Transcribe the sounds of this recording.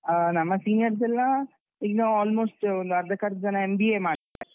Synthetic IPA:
nɐmːɐsiːnɪjɐɾs̬ɛlːãː | iɡnoːɔːlmoːsʈʋɐnd̪ɐɾd̪ɐkɐɾd͡ʒɐnãɛmbiːemaːa

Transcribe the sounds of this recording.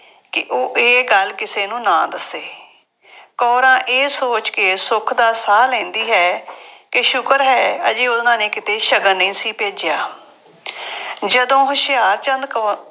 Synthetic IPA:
kɪʔoːʔeːɡəlkɪseːnũːnãːd̪əseː | kɔːɾãːʔeːsoːt͡ʃkeːsʊkʰd̪aːsaːlɛ̃ːnd̪iːɦɛːkɪʃʊkəɾɦɛːəd͡ʒeːʊd̪nãːnẽːkɪt̪eːʃəɡəɾnĩːsiːpeːd͡ʒɪjaː | d͡ʒəd̪õːɦʊʃɪjaːɾt͡ʃənd̪k

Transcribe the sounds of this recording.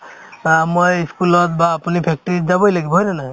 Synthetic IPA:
amojiskulɔt̪baːpunipʰek̚ʈɔɾid͡ʒabɔjlaɡibʱɔjɾena

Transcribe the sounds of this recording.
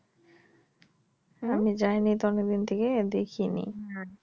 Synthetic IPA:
amid͡ʑajnit̪ɔneɡ̚d̪int̪ʰeked̪ekʰinḭ

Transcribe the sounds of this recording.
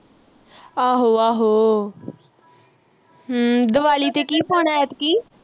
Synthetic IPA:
aːɦoːaːɦoː | ɦəd̪əʋaːliːt̪eːkiːpɔːɳ̃aːɛːt̪kiː

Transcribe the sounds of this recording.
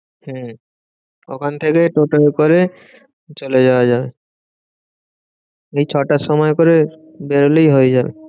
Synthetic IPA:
h̩ | o̰kʰant̪ʰekeʈoʈoekoɾe | t͡ɕoled͡ʑaoad͡ʑabe | ejt͡ɕʰɔʈaʃɔmɔekoɾe | beɾolejɦoed͡ʑabḛ

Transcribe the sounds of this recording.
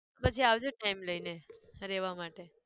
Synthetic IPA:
pət͡ʃʰiaʋd͡ʒoʈaimləineɾeʋamaʈe

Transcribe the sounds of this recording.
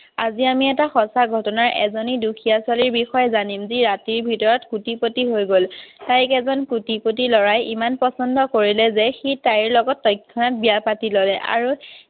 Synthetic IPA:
aziamiɛtaxɔsaɡʱɔtɔnaɹʔɛ̰zoniduxʰijaswaliɹbixɔjɛzanimziɹatiɹbʱitɔɹɔtkutipotiɦojɡoltajkɛzɔnkutipotilɔɹajimanpɔsɔndɔkoɹilɛzɛxitajɹlɔɡɔtːɔjkʰːɔnɔt̚bijapatilɔlɛʔa̰ɹu

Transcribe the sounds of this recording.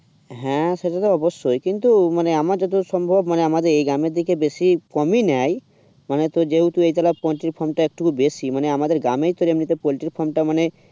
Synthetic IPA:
ɦɛ̃ʃeʈat̪oɔbosːojkint̪umaneamaɾd͡ʒɔt̪̬osɔmbʱobmaneamad̪eɾejɡɾameɾd̪ʱikebesikɔminaj | manet̪od͡ʒeɦut̪uejt̪alapɔɳʈiɾpʰɔɾmʈaek̚ʈukubesimaneamad̪eɾɡɾamejt̪oɾemnit̪epɔʈiɾpʰɔɾmʈamane

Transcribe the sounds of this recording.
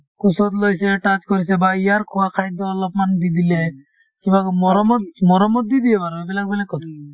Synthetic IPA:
kusot̪lojseʈat͡ʃkoɾisebaijaɾkʰuakʰajd̪ɔːlɔpmand̪id̪ile | kibakmɔɾɔmɔt̪mɔɾɔmːɔt̪̚d̪id̪ijepaɾbebɛlak̚bɛlakːɔt̪ʰɔ

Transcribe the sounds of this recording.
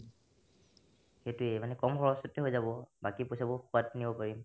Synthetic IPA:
xetʊejmanɛkɔmxɔɹɔsɔtːɛɦojzabɔbakipojsabɔxuatnibɔpaɹim

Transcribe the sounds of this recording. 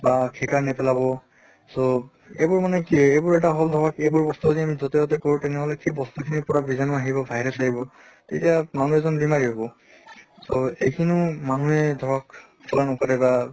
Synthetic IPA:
bakʰikanɛpɛlabɔ | so | ebʊɹmanɛkiɛebʊɹɛʈ̬aɦɔld̪ʱɔɹakejbʊɹbɔst̪uziamizɔtɛɔtɛkoɹũtɛnɛɦɔlɛkʰibɔst̪ukʰinipɔɹabizanɔaɦibɔbʱaɦiɾɛsaɦibɔ | tetijamanuɛzɔnbimaɹiɦɔbɔ | soejkʰinumanuɛdʱɔɹak | sʰɔlanɔkaɾɛba

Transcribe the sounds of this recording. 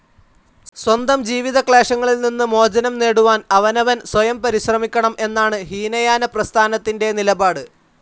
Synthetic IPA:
swɐnd̪ɐmd͡ʑiːʋiðɐkɭaːʂɐŋːɐɭilninːɨmo̞ːd͡ʑɐnɐmne̞ːɽuʋaːnɐʋɐnɐʋɐnswɐjɐmpɐɾiɕrɐmikʲːɐɳɐmʔe̞nːaːɳɨɦiːnɐjaːnɐprɐst̪ʰaːnɐt̪ːinde̞nilɐbaːɽɨ

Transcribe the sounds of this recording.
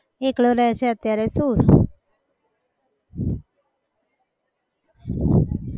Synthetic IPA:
ekɭoɾɛɦt͡ʃʰeət̪jaɾesus

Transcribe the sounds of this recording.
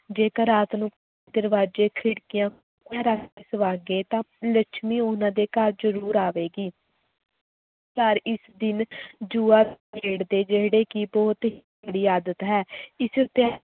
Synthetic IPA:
d͡ʒeːkəɾaːt̪nũːkː | d̪əɾʋaːd͡ʒeːkʰɪɽkɪjãː | ãːɾaːseːsəʋaːɡeːt̪ãːlət͡ʃʰmiːoːnãːd̪eːkəɾd͡ʒəɾuːɾaːʋeːɡiː | pəɾɪsd̪ɪnd͡ʒuːaːeːɽd̪eːd͡ʒeɦɽeːkɪbɔːt̪ɦ | ɽiːaːd̪ət̪ɦɛːɪsʊt̪ːeː

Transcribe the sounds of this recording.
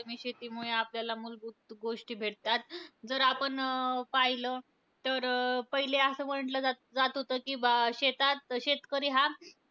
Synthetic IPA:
miːɕet̪iːmuɭeapljalamulbut̪ɡoʂʈiːbʱeʈ̚t̪at̪d͡zəɾapəɳpajləː | t̪əɾpəɦileasəːm̤əɳʈləd͡za | d͡zat̪ɦot̪əkiːbɕet̪at̪ɕet̪kəɾiːɦa

